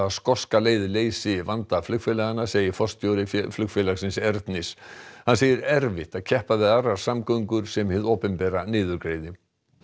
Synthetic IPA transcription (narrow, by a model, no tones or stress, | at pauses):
aðskɔskaleːjðɪleːjsɪɪvant̪aflʏkfɛlɛːɣanːaseːjɪfɔst̪jowɾɪfflʏkfɛlaɣsɪnsɛɾt̪nɪshanseːjɪɾɛɾvɪht̪aðcʰɛhpaðɪðarːaɾ̥samkœŋkʏɾ̥sɛmhɪðoːpɪmpɛːɾanɪːðʏɾkɾeːjðɪ